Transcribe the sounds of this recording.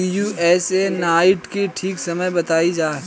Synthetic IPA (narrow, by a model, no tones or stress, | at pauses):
juɛːsenaːɪʈkeʈʰiːksɐməjbɐt̪aːid͡ʒaː